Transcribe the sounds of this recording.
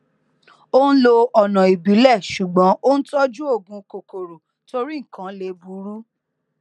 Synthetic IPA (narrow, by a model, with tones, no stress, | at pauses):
o˦n̩˦lo˧ɔ˨nã˨i˨bi˨˦lɛ˦˨ʃu˨ɡ͡bɔ̃˨˦o˦n̩˦tɔ˦d͡ʒu˦o˦˨ɡũ˨˧ko˨ko˨ɾu˨ | to˧ɾi˦ŋ̩˨kã˨˦le˧bu˧˦ɾu˦